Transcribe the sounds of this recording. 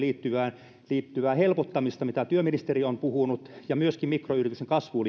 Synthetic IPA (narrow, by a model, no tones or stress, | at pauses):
liːt̪ːyʋæːn | liːt̪ːyʋæːhelpot̪ːɑmist̪ɑmit̪æt̪yøminist̪eriompuhunut̪jɑmyøskimmikroyrit̪ykseŋkɑsʋuːl